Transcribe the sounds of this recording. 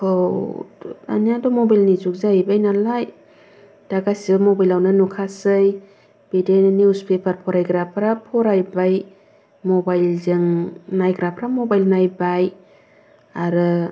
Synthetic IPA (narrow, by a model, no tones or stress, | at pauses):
ow | a̰nijadɔmɔbajlnizuk̚zabajnalaj | d̥aɡasibamɔbajlawnɯnukʰasɯj | b̥idennjuspʰepʰaɾpʰɔɾajɡɾapʰɾapʰɔɾajbaj | mɔbajlzɯŋnajɡɾapʰɾamɔbajlnajbaj | aɾɯ